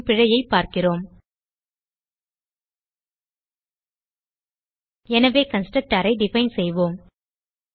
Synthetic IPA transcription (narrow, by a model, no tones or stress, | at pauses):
pɪɻɐjɐɪpːaːɾkɪroːm | ɛnɐʋeːkɐnsʈɐk̚ʈaːɾɐɪɖɪfɐɪnsɛjʋoːm